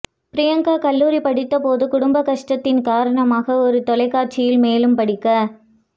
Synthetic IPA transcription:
pɪɾɪjɐŋɡakɐlːuːɾipɐɽɪt̪ːɐpoːðɯkʊɽʊmbɐkɐʂʈɐt̪ːɪnkaːɾɐɳɐmaːɣɐɔɾɯt̪ɔlɐɪkːaːrt͡ʃɪjɪlmeːlɯmpɐɽɪkːɐ

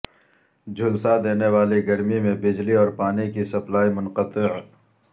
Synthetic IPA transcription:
d͡ʒʱʊlsad̪eːneʋaːleɡɐɾmimẽbɪd͡ʒliɔːɾpaːnikisɐplaːimʊnqət̪ɪʕ

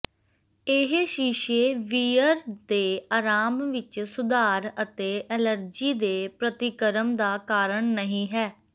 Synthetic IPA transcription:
ɪɦʃiːʃeːʋiːəɾd̪eːaːɾaːmʋɪt͡ʃsʊd̪aːɾət̪eːʔɛːləɾd͡ʒiːd̪eːpɾət̪ɪkəɾəmd̪aːkaːɾəɳnəɦĩːɦɛː

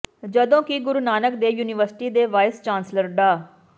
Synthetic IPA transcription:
d͡ʒəd̪õːkiɡʊɾunaːnəkd̪eːjuːnɪʋəɾsɪ̥ʈiːd̪eːʋaːɪst͡ʃaːnsləɾɖaː

